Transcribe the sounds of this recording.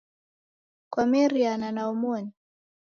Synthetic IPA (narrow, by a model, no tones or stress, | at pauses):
kwamɛɾiananaumɔni